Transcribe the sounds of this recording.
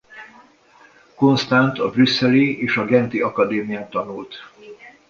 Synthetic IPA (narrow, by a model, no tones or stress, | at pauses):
ko̞nst̪ant̪ɒbrysːɛlieːʃɒɡɛnt̪iɒkɒd̪eːmijaːt̪ɒnult̪